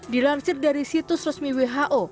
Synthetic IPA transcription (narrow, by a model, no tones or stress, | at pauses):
di̤lansɪrdaɾisit̪ʊsrɔsmiweɦaʔo